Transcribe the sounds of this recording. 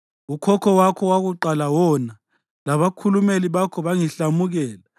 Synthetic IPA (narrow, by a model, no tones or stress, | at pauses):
ukʰɔkʰɔwakʰɔwaɣuǃalawɔna | laβakʰulumeliβakʰɔβaŋiɬamuɣɛːla